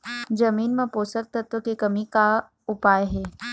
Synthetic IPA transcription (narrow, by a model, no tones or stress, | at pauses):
d͡ʒɐmiːnmə̃poːsək̚t̪ət̪ʋəkekəmika | ʊpaːjɦeː